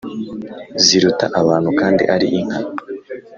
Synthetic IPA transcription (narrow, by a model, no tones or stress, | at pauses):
ziɾuta̰ʔaβaːnhukaːndḭʔaɾiʔiŋ̥ha